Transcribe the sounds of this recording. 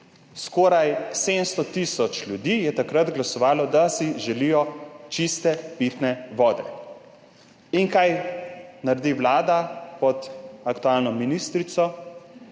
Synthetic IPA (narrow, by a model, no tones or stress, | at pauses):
skɔːɾajsed̪mst̪ɔt̪isɔt͡ʃljud̪iːjɛt̪akɾat̪ɡlasɔʋaːlɔd̪asiʒɛliːjɔt͡ʃist̪ɛpit̪nɛʋɔːd̪ɛ̰ | iŋkajnaɾd̪iwlaːd̪apɔt̪akt̪ualnɔminiːst̪ɾit̪sɔ